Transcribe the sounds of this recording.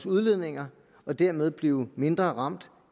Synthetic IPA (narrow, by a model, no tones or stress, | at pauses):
suðˠleð̰ˠne̝ŋɐ | ɒ̽d̥æɐmeð̞ˠb̥liːʊme̝nd̥ʁɐʁɑ̈m̰d̥